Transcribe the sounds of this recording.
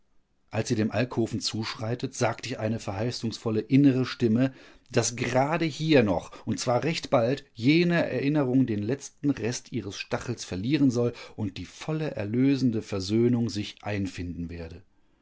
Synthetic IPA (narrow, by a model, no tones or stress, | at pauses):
ʔalsz̥iːɾeːmʔalkhoːfn̩t͡suːʃʁ̥aɪtətz̥aːktəɪçʔaɪnəfɛɐɦaɪsʊŋsfɔləʔɪnəʁ̞əʃtɪmə | d̥asɡ̥əʁaːdəhiːɐnɔχʔʊntt͡sv̥aːɐʁɛçtb̥altjeːnəʔɛ̰ɐʔɪnəʁʊŋdeːnlɛt͡stn̩ʁɛstʔiːʁəsʃtaχl̩sfɛɐliːʁənzɔlʔʊnt̚d̥iːfɔləʔɛ̰ɐløːzn̩dəfɛɐzøːnʊŋzɪçʔaɪnfɪndn̩veːɐdə